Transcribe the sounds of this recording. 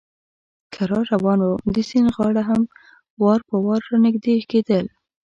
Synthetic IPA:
kʰaɾɑɾawɑnwamd̪isinɣɑɽaɦam | wɑɾpəwɑɾːɑnɪɡd̪eked̪əl

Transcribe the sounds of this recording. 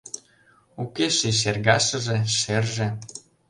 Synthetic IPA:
ukeʃiʃ̬erɣɑʃɤ̆ʒĕʃerʒĕ

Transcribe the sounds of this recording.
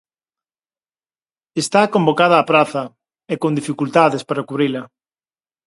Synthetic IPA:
est̪akõmbokað̞aːpɾaθɐ | ekond̪ifikult̪aðespaɾakuβɾilɐ

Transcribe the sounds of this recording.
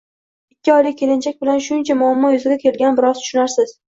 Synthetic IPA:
ɪkʲːɪɒjlɪkʲʰːe̞lɪnt͡ʃʰak̚ʲbɪlanʃʊnt͡ʃʰamʊamːɒjozɪɡʲakʲʰe̞lɡʲanbɪɾɒzt̪ʰʊ̥ʃʊnaɾsɪz̥

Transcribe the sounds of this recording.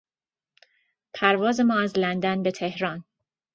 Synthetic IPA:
pʰæɾvɒːze̞mɒːæzlænd̪ænbe̞t̪ʰe̞hɾɒːn

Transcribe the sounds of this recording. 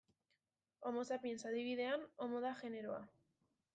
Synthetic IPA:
o̞mo̞sapie̞nsaðiβ̞iðe̞ano̞mo̞ðaʝe̞ne̞ɾoa̰

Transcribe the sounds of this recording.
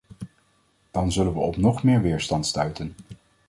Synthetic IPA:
d̥ɑnzɵlənʋəɔpnɔχmɪːɹʋɪːɹstɑntstœɥtən

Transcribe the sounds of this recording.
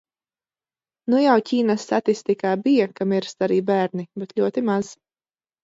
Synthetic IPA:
nujawciːnasːat̪ist̪ikaːbijakamiɾst̪aɾiːbæːɾnibɛt̪lʎʲuɔt̪imaz̥

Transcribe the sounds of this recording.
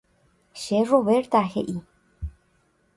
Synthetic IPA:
ʃeroβeɾt̪axeʔi

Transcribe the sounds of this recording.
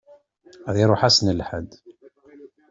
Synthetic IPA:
ðiɾˤoħasnəlħə̰d̪

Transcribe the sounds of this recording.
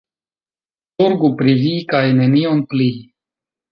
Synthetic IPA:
tuŋɡupɾivikajne̞nionpli

